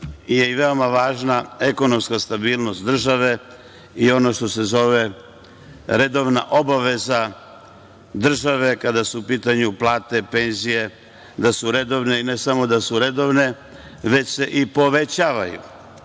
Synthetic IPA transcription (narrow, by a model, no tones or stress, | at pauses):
ije̞iʋe̞o̞maʋaːʒnae̞ko̞no̞mskast̪abiːlno̞st̪̚d̪r̩ʒaʋe̞ | io̞no̞ʃt̪o̞se̞zo̞ʋe̞ | ɾe̞d̪o̞ʋnaʔo̞baʋe̞za | d̪r̩ʒaʋe̞kad̪asuupiːt̪aɲuplˠaːt̪e̞pe̞nzije̞ | d̪asuɾe̞d̪o̞ʋne̞ine̞samo̞d̪asuɾe̞d̪o̞ʋne̞ | ʋe̞t͡ɕse̞ʔipo̞ʋe̞t͡ɕaːʋajṵ